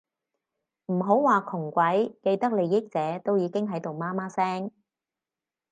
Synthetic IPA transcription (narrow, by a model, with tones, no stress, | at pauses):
m̩˨˩ɦo˨˥wwaː˨kʰʊ˨˩ŋkʷɐ˨˥jke˧jt̪ɐ˥k̚le˨˧jːɪ˥k̚t͡sɛː˨˦˥t̪o˥wjiː˨˧kɪ˥ŋɦɐ˨˥jt̪o˨wmaː˥maː˥sɛː˥ŋ